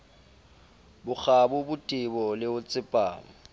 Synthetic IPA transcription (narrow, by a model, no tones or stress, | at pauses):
bʊk͡xabʊbʊtʼɪbɔlɪʊt͡sʼɪpʼa̰ːŋ̩